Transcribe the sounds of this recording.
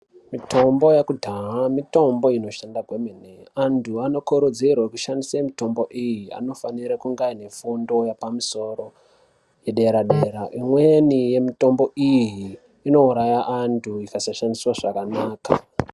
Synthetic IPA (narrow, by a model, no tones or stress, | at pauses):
mito̞mbo̞jakudʱaɦamito̞mbo̞ino̞ʃandaɡʱwemeneantʰuano̞koɾud͡zerwekuʃandisemito̞mbo̞ʔijia̰no̞faniɾakuŋɡaine̞fundo̞japamuso̞ro̞ | je̞ɗe̞ɾaɗe̞ɾaʔimwenije̞mito̞mbo̞ʔijiː | no̞uɾajaʔantʰuikasaʃandiswaʐakanaːka̰